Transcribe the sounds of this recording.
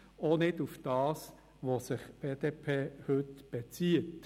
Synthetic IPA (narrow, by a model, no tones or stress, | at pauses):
onɪdufd̥ɑːs | ʋosɪχb̥eːd̥eːpʰeːhøtb̥et͡siːət